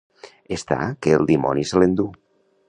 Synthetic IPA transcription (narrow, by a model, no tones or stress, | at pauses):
est̪a̰keːlˠd̪imɔ̰niselend̪u